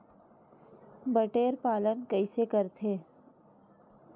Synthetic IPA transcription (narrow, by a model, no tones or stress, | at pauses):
bəʈeːɾpaːlənkəɪsekəɾt̪ʰeː